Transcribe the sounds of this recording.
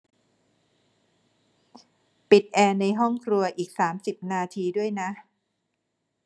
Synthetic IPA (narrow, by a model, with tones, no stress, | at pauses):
pi˨˩t̪̚ʔɛː˧na˧jɦɔ˥˩ŋkʰɾu˧ɐʔiː˨˩k̚saː˩˦msi˨˩p̚naː˧t̪ʰiː˧du˥˩əjna˦˥ʔ